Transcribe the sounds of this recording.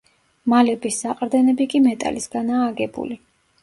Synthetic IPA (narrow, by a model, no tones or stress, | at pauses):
malɛbisːaqʼɾd̪ɛnɛbikʼimɛt̪ʼa̰lisɡ̥anaːɡɛbṵli